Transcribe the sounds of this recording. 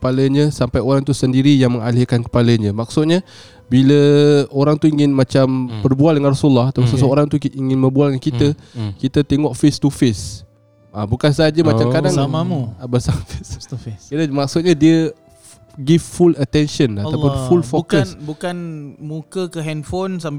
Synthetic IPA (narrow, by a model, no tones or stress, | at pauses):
kə̥paləɲəsampajoɾaŋt̪usəndiɾijaŋmə̃ŋalɪkankə̥paləɲə̃mak̚sʊt̪̚ɲə | biləoɾaŋt̪uiŋɪnmat͡ʃambərbualdəŋanrasulːahat̪apusəsəoɾaŋt̪uiŋɪnməmbualdəŋankit̪əkit̪ət̪eŋɔʔfest̪ufɪs | abukans̬əɦad͡ʒəmat͡ʃamkadaŋmamuabəsamfɪskit̪əmak̚sʊt̪̚ɲadiə | ɡivfulət̪ɛnʃənat̪apʊfulfokənbukanmũkəkəɦɛnfonsam